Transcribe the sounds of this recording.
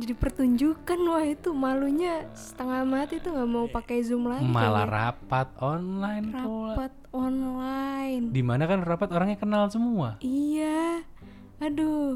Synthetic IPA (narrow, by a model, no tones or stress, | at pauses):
d͡ʒadipərt̪uɲd͡ʒukanwahit̪umaluɲasə̥t̪əŋamat̪it̪uŋɡamaupakajzumlama̰la̰ra̰pat̪̚ɔnlainraulpapat̪̚ɔnlaɪndimanakanrapat̪oɾaŋɲakənalsəmuaija | ado